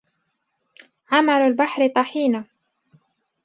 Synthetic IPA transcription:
ʕamalalbaħɾɪt̪ˤɑħiːna

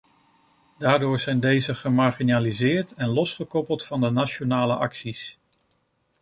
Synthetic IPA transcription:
daːɹdʊːɹzɛjndejzəχəmaɹχinaːlizɪːɹtɛnlɔsχəkɔpəlˠtfɑndənat͡ʃonaːləʔɑ̰ksis

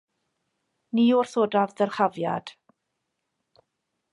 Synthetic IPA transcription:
niːʊrθoːdavðərχavja̰d̥

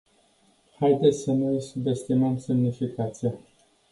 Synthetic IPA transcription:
hajd̪et̪sʲsənujsube̞st̪iməmsemnifikat̪sija

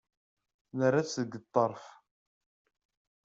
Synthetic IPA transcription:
nərːasəɡət̪ˤːɑɾˤf

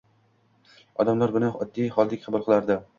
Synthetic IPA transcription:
ɒd̪amlaɾbʊnɪɒd̪ːijχɒlˠd̪ɪkʲχɪbʊlˠqʰɨlˠaɾd̪ɪ

